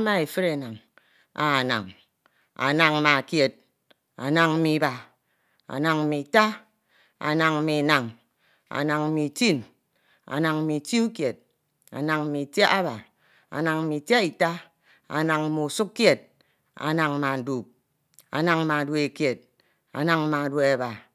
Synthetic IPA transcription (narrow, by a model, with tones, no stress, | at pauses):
ma˦e˨fɨ˦ɾe˨na˨ŋ | a˨na̰˨ŋ | a̰˨na˨ŋ˦ma˨kje˨t̚ | a̰˨na˨ŋm̩˦mi˨˦ba˨ | a̰˨na˨ŋ̩˨mi˨ta˦ | a̰˨na˨ŋm̩˦mi˨na˨ŋ | a̰˨na˨ŋ̩˨mi˨ti˦˨n | a̰˨na˨ŋ̩˦mi˨ti˦u˦kje˨t̚ | a̰˨na˨ŋ̩˦mi˨te˦a˦ba˨ | a̰˨na˨ŋ̩˦mi˨tje˦i˨ta˦ | a̰˨na˨ŋ̩˦mu˨su˦kːje˨t̚ | a̰˨na˨ŋ˦ma˨n̩˨du˨p̚ | a̰˨na˨ŋ˦ma˨dwe˨e˨kje˨t̚ | a̰˨na˨ŋ̩˦ma˨dwe˨˦a˨ba˨